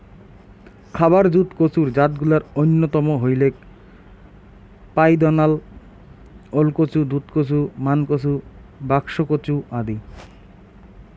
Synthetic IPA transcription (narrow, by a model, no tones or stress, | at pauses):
kʰabaɾd͡ʑut̪kot͡ɕuɾd͡ʑat̪̚ɡulaɾojnːot̪ɔmoɦojlek | pajd̪ɔnal | olkot͡ɕud̪ut̪kot͡ɕʰumankot͡ɕʰubakʃokot͡ɕuad̪i